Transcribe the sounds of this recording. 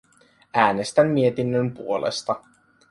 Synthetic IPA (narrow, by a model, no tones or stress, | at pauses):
æːnest̪æmːie̞t̪inːømpuolḛst̪ɑ